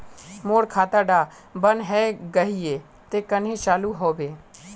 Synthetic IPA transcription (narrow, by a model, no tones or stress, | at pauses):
moːɽkʰaːt̪aɖaː | bənɦɛːɡɐɦieː | t̪ekɐnɦĩt͡ʃaːluɦoːʋeː